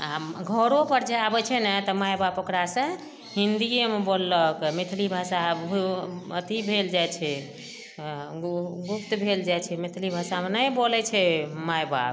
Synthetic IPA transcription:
aɡʱəɾopəɾd͡ʒeabɛt͡ʃʰɛnɛt̪ɔmajbabokɾasə̃ | ɦind̪iemebolːəkmit̪ʰlibʱasabət̪ibʱeld͡ʒajt͡ʃʰɛ | ɡupt̪bʱeld͡ʒajt͡ʃʰɛmit̪ʰlibʱasamenəjbolɛt͡ʃʰɛmajba̰b

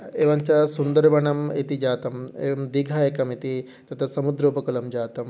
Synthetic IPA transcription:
eːʋɐɲt͡ʃɐsund̪ɐɾbɐɳɐmit̪id͡ʒaːt̪ɐmḛːʋɐmd̪iɡʱajekɐmit̪i | t̪ɐt̪ʰɐsɐmud̪ɾoːpɐkulɐmd͡ʒaːt̪ɐm

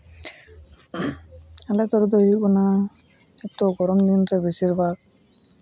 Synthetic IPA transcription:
alɛt̪ɔɾud̪ɔɦik̚bɔna | ɛt̪ːɔɡɔɾɔmd̪inɾɛbesiɾbʱak̚

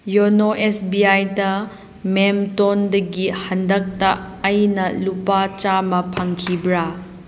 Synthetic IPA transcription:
jonoʔesbiajdɐ | memtondɐɡihɐndɐk̚tɐːjnɐlupat͡ʃamɐpʰɐŋkʰibɾa

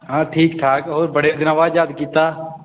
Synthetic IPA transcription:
ɦãːʈʰiːkʈʰaːkɔːɾbəɽeːd̪ɪnaːʋaːd͡ʒaːd̪kiːt̪aː

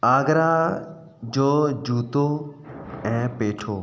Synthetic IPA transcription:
aːɡɾaː | d͡ʒoːd͡ʒuːt̪oː | ɛ̃ːpeːʈʰoː

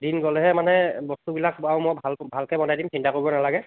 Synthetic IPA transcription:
dinɡɔlɛɦɛmanɛbɔstubilakawmɔjbʱalbʱalkɛbɔnajdimsintakoɹibɔnalaɡɛ

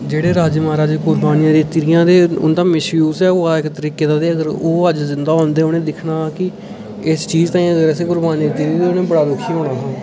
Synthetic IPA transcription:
d͡ʒeːɽeːɾaːd͡ʒmaːɾaːd͡ʒkʊɾbaːnijãːd̪iːt̪ɪɾɪjãːd̪eːʊ̰nd̪ãːmɪʃuːsɛːoːaɪkt̪əɾiːkeːd̪ãːd̪eːəɡəɾoːəd͡ʒzɪnd̪aːɦoːnd̪eːʊnẽːd̪ɪkʰnaːkɪ | ɪst͡ʃiːd͡ʒt̪ãːĩːəɡəɾɛseːkʊɾbaːniːd̪iːt̪ɪɾit̪eːʊnẽːbəɽaːd̪ʊkʰːiːbəɳãːɦãː

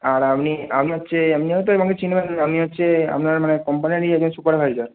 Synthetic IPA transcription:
aɾamniamiɦotːɕʰeamniɔɦɔt̪oebʱɔŋɡet͡ɕʰinbenamniɔtːɕʰea̰pnaɾmanekɔmpaniɾiɛɡ̚d͡ʑonsupaɾbʱaɾid͡ʑaɾ

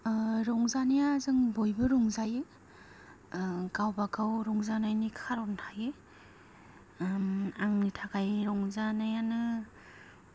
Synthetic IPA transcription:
ɾɔŋzanijazɯŋbojbɯɾɔŋzajɯ | ɡawbakawɾɔŋzanajnikʰaɾɔntʰaje | maŋnitʰakajɾɔŋzanajanɯ

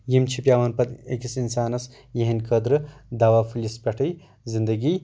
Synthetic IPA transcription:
jimt͡ʃʰipʲjaːʋaːnpɐt̪ḛkisinsaːnɐs | jeɦinʲkʰəd̪ɾɨd̪aːʋaːfulispʲɐʈʰɐj | zind̪ɐɡi

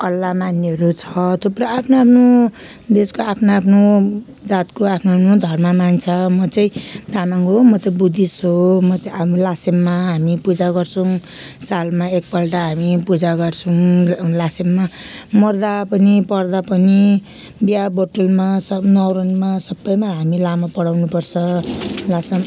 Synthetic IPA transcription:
ʌlːamanːeɦʌɾut͡sʰʌt̪ʰopɾʌapʰnoapʰno | d̪eskoapʰnaapʰno | d͡zat̪koapʰnoapnod̪ʱʌrmamant͡sʰʌmʌt͡sʌĩt̪anaŋomʌt̪ʌbud̪ʱisɦomʌt̪lasemːaɦamipud͡zaɡʌrt͡sʰʌ̃ | salmaek̚pʌlʈaɦamipud͡zaɡʌrt͡sʰʌ̃lasemːamʌrd̪apʌnipʌrd̪apʌni | bjabʌʈolmasʌnʌwɾʌnmasʌbːʌjmaɦamilamapʌɽawnupʌrt͡sʰʌlasem

